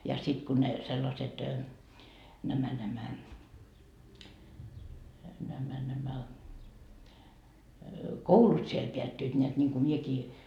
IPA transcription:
jɑ sit kun ne selːɑset næmæ næmæ næmæ næmæ koulut siel peætːyit nʲeæt nʲiŋku miekiː

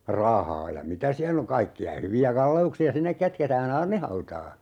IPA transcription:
rɑhɑː jɑ mitæ siælː oŋ kɑikːiɑ hyʋiæ kɑlːeuksiɑ sinːek kætketæːn ɑːrnihɑutɑː

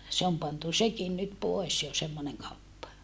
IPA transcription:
se om pɑntu sekin nyt poes jo semːoneŋ kɑupːɑ

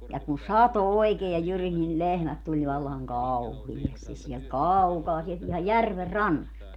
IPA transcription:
jɑ kun sɑto oikeː jɑ jyris nil lehmæt tulʲ ʋɑlːɑŋ kɑuhiestis siɛlt kɑukɑː sielt ihɑj jærʋer rɑnːɑst

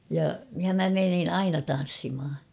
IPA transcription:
jɑ jɑ mæ menin ɑinɑ tɑn̞sːimh̆ɑ

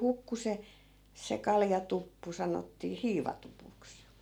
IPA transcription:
hukːu se se kɑljɑtupːu sɑnotːiː hiːʋɑtupuks

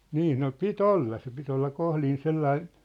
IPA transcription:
niː no pit olːɑ se pit olːɑ kohlin selːɑin̞

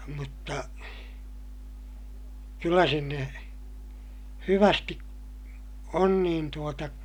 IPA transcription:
mutːɑ kylːæ sinːe hyʋæsti on niːn tuotɑ

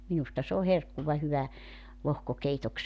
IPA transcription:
minustɑ s oː herkːuʋɑ hyʋæ lohkokeitok

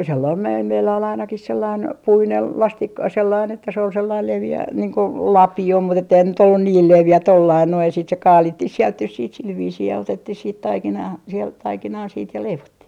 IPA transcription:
selːɑim mel meilːæ ol ɑinɑkih selːɑin puinel lɑstik selːɑin etːæ se ol selːɑil leʋiæ niːŋ ko lɑpio mut etːeihæn se nyt olːun niːl leʋiæ tolːɑin noij jɑ siːt se kɑːlitːih sielt nys siːt sil ʋiːsiː jɑ otetːih siːt tɑikinɑː sielt tɑikinɑː sit jɑ leiʋotːih

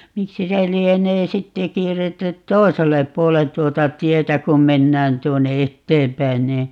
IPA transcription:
miksi se lieneː sitːe kierːetːy tˑoi̯selːep puolen tuotɑ tietæ kum menːæːn tuonːe etːeːmpæin niː

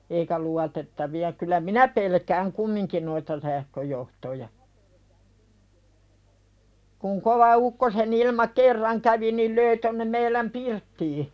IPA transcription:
eikæ luɑtetːɑʋiɑ kylˑæ minæ pelkæːŋ kumːiŋkin noitɑ sæhkøjohtojɑ kuŋ koʋɑ ukːosenilmɑ kerːɑŋ kæʋi nil løi tonːem meilæm pirtːiː

